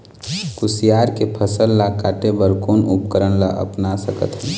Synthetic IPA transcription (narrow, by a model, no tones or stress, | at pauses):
kʊsijaːɾkepʰəsəlːakaːʈebəɾkoːnʊp̚kəɾənlaʔə̰pnasəkə̰t̪ɦɛ̃ː